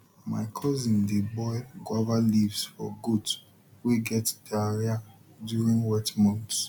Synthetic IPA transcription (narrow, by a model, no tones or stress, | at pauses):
maɪkʰɔzĩndebɔjɡwavalivsfɔ̰ɡud | wiɡɛtdaɾiadjuɹĩŋɡwɛtmɔ̃nt